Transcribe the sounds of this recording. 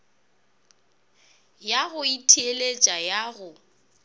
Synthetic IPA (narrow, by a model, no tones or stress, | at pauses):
jaɣʊitʰielet͡ʃʼajaɣʊ